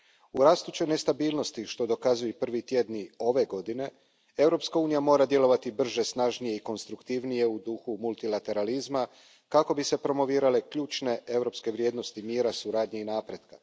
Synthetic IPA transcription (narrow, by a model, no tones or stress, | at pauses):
uɾaːst̪ut͡ʃene̞st̪abiːlˠno̞st̪iʃt̪o̞d̪o̞kazujepr̩ʋit̪je̞d̪nio̞ʋe̞ɡo̞d̪ine̞ | e̞wɾo̞pskauːnijamo̞ːɾad̪je̞lo̞ʋat̪ibr̩ʒesnaʒnije̞iko̞nst̪ɾukt̪iʋnije̞ud̪uxumulˠt̪ilat̪e̞ɾalizma | kako̞bise̞pɾo̞mo̞ʋiːɾale̞kʎuːt͡ʃne̞e̞wɾo̞ːpske̞ʋɾje̞ːd̪no̞st̪imiːɾasuɾaːd̪ɲeinaːpɾe̞d̪ka